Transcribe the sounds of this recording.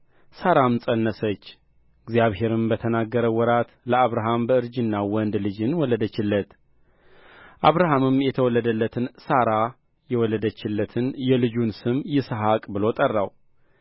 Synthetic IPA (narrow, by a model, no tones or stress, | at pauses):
saɾamsʼənːəsət͡ʃː | ɨɡzjaβhe̞ɾɨmbət̪ʰənaɡːəɾəwɔɾat̪ləaβɾaɦambəɨɾd͡ʒɨnːawɔnd̪lɨd͡ʒɨnwɔlːəd̪ət͡ʃːɪlːət̪ | ʔaβɾaɦamɨmjɛt̪ʰəwɔlːəd̪əlːət̪ʰɨnsaɾa | jɛwɔlːəd̪ət͡ʃːɪlːət̪ʰɨnjɛlɨd͡ʒunsɨmjɪsɦakʼbɨlo̞t̪ʼərːaw